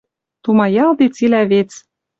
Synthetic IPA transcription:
t̪umɑjɑld̪it͡silæβet͡s

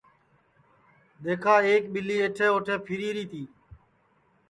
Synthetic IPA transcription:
ɗ̪eːkʰaːeːkɓɪliːeːʈʰẽːoːʈʰẽːpʰiːɾiːɾiːt̪iː

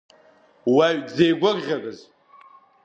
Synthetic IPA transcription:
waɥd͡zejɡʷʊrʁʲaɡɨz

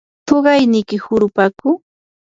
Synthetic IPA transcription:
t̪oɢɑjnɪjkɪhʊɾʊpakʊ

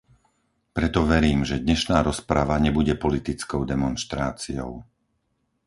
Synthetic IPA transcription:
pɾɛt̪ɔʋɛɾiːmʒɛd̪ɲɛʃnaːɾɔspɾaʋaɲɛbuɟɛpɔlit̪it͡skɔʊd̪ɛmɔnʃt̪ɾaːt͡siɔʊ

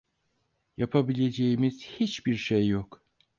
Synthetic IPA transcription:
japʰabilʲe̞d͡ʒe̞jimiz̥hit͡ʃbiɾʃejːok

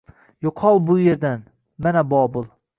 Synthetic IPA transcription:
joqʰɒlˠbʊje̞ɾd̪an | manabɒbʊlˠ

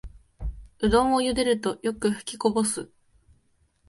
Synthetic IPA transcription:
ɯ̟d̪õ̞ɰ̃ojɯd̪e̞ɾɯ̟t̪o̞jo̞kɯ̟ɸɯ̟̥kʲiko̞bo̞sɨ

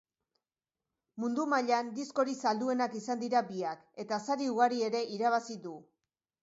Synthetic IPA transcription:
mund̪umaʎand̪isko̞ɾisald̪ue̞nakisand̪iɾabiake̞t̪asaɾiuɣaɾie̞ɾe̞ʔiɾaβ̞asiðu

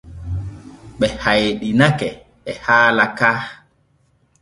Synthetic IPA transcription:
ɓɛhajɗinakɛ | ɛhaːlakaː

